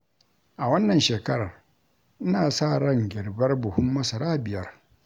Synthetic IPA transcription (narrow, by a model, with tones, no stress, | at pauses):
ʔa˨wɐ˦nːɐ˨nʃeː˨kɐ˦ɽɐ˨r | ʔɪ˦naː˨saː˦˨ɽɐ˦˨ŋɡʲɪ˨ɽbɐ˦rbʊ˨hʊ˦mːɐ˦sɐ˨ɾaː˦bɪ˨jɐ˦r